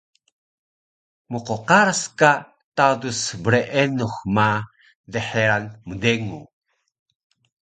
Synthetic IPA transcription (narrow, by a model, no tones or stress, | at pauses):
muqoqaɾska | tadusbəɾeʔenuxma | deħeɾanmədeŋu